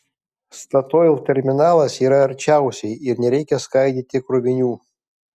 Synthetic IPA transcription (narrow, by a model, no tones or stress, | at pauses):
st̪ɐt̪oːɪlˠt̪ʲɛɾʲmʲɪnɑːlˠɐsiːɾɐɐɾʲt͡ʃʲæˑʊsʲɛɪɪɾnʲɛɾʲɛɪkʲɛskɐɪd̪ʲit̪ʲɪkɾʊbʲɪnʲuː